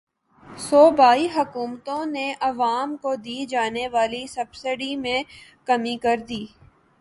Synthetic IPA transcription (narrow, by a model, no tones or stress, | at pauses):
soːbaːiɦɐkuːmt̪õneʔɐʋaːmkod̪iːd͡ʒaːneʋaːlisɐbsɪɖimẽkɐmikɐɾd̪iː